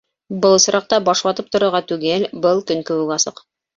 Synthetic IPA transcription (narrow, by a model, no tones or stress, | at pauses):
bɤlˠs̆ɾʔɑq̚t̪ɑbɑʃwˠɑt̪ɤp̚t̪ŏɾŏɾʁɑt̪ʉɡɘlbɤlˠkɵ̆ŋkɵ̆wɘkɑsɤ̰q